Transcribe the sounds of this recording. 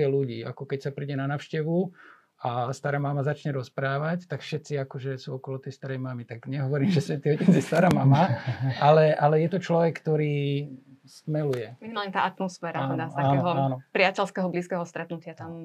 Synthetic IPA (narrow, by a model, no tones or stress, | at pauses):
ɛluɟḭːakɔkɛcsapɾiɟɛnanaːʊʃcɛʋu | ast̪aɾaːmamazat͡ʃɲɛɾɔspɾaːʋact̪akfʃɛt̪st͡siakɔʒɛsuɔkɔlɔt̪ɛjst̪aɾɛjmamit̪aɡɲɛɦɔʋɔɾiːmʒɛsʋɛt̪iɦɔcɛd͡zjɛst̪aɾaːmamaʔalɛʔalɛjɛt̪ɔt͡ʃlɔʋɛkkːt̪ɔɾiː | st̪mɛlujɛminimaːlɲɛt̪aːʔat̪mɔsfɛːɾat̪ɛd̪asaakːɛɦɔanɔpɾɪacɛlskɛɦɔbliːskɛɦɔst̪ɾɛt̪nucɪat̪am